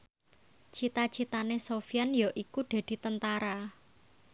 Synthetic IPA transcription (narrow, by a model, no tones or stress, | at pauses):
t͡ʃit̪at͡ʃit̪anesofianjɔʔikuɖ̪̥ä̤d̪̥i̤t̪ənt̪aɾa